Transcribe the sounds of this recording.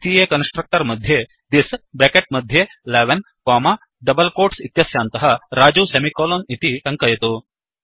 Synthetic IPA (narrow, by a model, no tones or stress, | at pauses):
t̪iːjeːkɐnsʈɾɐk̚ʈɐɾmɐd̪ʱje | d̪isbekeʈ̚mɐd̪ʱjeleːʋɐn | koːmaː | ɖɐbɐlkoːɾʈsit̪jɐsjaːnt̪ɐɦɐɾaːd͡ʒuːsɐmikoːloːnit̪iʈɐŋkɐjɐt̪u